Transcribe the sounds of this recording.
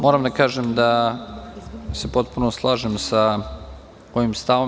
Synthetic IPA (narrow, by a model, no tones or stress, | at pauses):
moːɾamd̪akaːʒemd̪a | se̞po̞t̪̚punoslˠaːʒemsa | oʋimst̪aʋo